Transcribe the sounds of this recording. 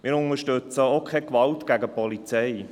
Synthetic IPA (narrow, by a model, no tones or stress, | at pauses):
mɪːɾʊnəʃtøt͡səokʰχɛkʋɑltɡ̥æɡəpɔlit͡sɛɪ